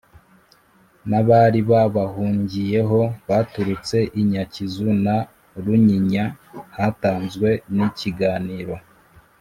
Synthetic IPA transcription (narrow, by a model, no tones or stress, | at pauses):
naβaɾiβaβahuːɲɟije̞ɦo̞βaːtuɾut͡se̞ʔiɲacizuna | ɾuɲiɲa | hataːnzɡwe̞niciɡaːniːɾo̞